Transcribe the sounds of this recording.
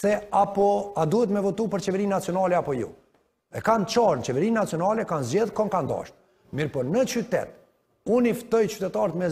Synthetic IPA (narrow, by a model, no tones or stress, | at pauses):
sɛapɔad̪uhɛt̪mɛvɔt̪upəɾt͡ʃɛvɛɾinːat͡sjɔnalɛapɔjṵ | ɛkant͡ʃaɾnət͡ʃɛvɛɾinːat͡sijɔnalɛkanzd͡ʑɛðkɔŋkand̪a̰ʃt̪̚ | miɾpɔɾnət͡ʃyt̪ɛ̰t̪̚ | unift̪ɔjt͡ʃy̥t̪ɛt̪aɾət̪mɛ